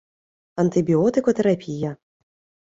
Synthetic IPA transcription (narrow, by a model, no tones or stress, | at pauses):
ɐnt̪ɨbʲiɔt̪ɨkɔt̪ɛɾapʲijɐ